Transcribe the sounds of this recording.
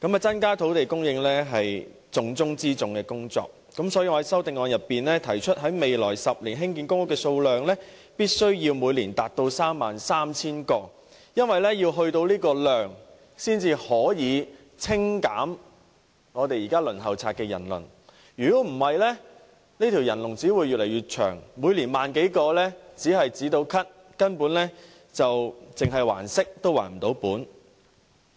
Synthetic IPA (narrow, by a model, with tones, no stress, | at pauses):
kɐ˨˥mɐ˨t͡sɐ˥nkaː˥t̪ʰo˨˥wt̪e˨jkʊ˥ŋjɪ˧ŋlɛː˥ɦɐ˨j | t͡sʊ˧ŋt͡sʊ˥ŋt͡siː˥t͡sʊ˨ŋkɛː˧kʊ˥ŋt͡sɔ̰ː˨k̚ | kɐ˨˥msɔː˨˥jiː˧ŋɔː˧hɐ˨˦jsɐ˥wt̪ɪ˨ŋɔː˨˧ŋjɐ˨pːiː˨nɛː˥t̪ʰɐ˨˩jt͡ʃʰɵ˥t̚ɦɐ˨˥jme˨jlɔː˨˩jsɐ˨p̚liː˨˩nɦɪ˥ŋki˧nkʊ˥ŋʊ˥˩kːɛː˧so˧wlœː˨ŋlɛː˥ | piː˥t̚sɵ˥ɥjiː˧wmuː˨˧jliː˨˩nt̪aː˨t̚t̪o˧wsaː˥mːaː˨nsaː˥mt͡sʰiː˥nkɔː˧ | jɐ˥nwɐ˨jlɛ˥jiː˧wɦɵ˧ɥt̪o˧wliː˥kɔː˧lœː˨˩ŋ | siː˥nt͡siː˧hɔː˨˥jiː˨˧ | t͡sʰɪ˥ŋkaː˨˥m | ŋɔː˨˧t̪e˨jiː˨˩kaː˥lɵ˨˩nɦɐ˨wt͡sʰaː˧t̚kːɛː˧jɐ˨˩nlɵ̰˨˩n | jyː˨˩kɔː˨˥m̩˨˩hɐ˨jlɛː˥ | niː˥t̪ʰi˨˩wjɐ˨˩nlʊ˨˩ŋt͡siː˨˥wuː˨˧jyː˨t̚le˨˩jɥyː˨˩t̚t͡ʃʰœ̰ː˨˩ŋmuː˨˧jliː˨˩nmaː˨nke˨˥jkɔː˧lɛ˥t͡siː˨˥ɦɐ˨jt͡siː˨˥t̪o˧wkʰɐ˥t̚ | kɐ˥npu˨˥nlɛː˥ | t͡sɐ˨wt͡sɪ˨ŋɦɐ˨jwa̰ː˨˩nsɪ˥k̚t̪o˥wa̰ː˨˩nm̩˨˩t̪o˨˥wpuː˨˥n